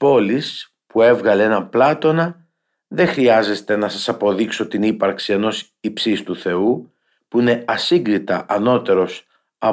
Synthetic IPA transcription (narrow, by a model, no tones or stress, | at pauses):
po̞lis | pue̞vɣɐleenɐplɐt̪o̞nɐ | ðe̞xɾiɐze̞st̪e̞nɐsɐsɐpo̞ðikso̞t̪inipɐɾksie̞no̞s | ipsist̪uθe̞u | puine̞ɐsiŋɡɾit̪ɐʔɐno̞t̪e̞ɾo̞s | ɐ